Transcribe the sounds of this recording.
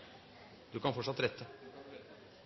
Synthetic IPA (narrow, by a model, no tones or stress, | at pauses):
d̪̥ʉkʰɑnfɔʈʂɑt̪ːɾɛt̪ʰːə